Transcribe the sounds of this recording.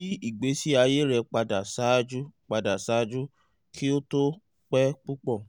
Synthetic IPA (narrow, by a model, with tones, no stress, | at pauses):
i˦i˦˨ɡ͡be˨˦si˦a˧je˦ɾɛ˧k͡pa˧da˨sa˨˦d͡ʒu˦k͡pa˧da˨sa˨˦d͡ʒu˦ | kʰi˦o˦to˦ | k͡pɛ˦k͡pu˦k͡pɔ˦˨